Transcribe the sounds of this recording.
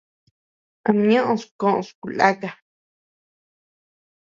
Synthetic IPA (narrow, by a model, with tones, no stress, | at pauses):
ã˧ɲõ˦ʔõ˧˨skõ˦ʔõ̰˧˨sku˨la˦ka˧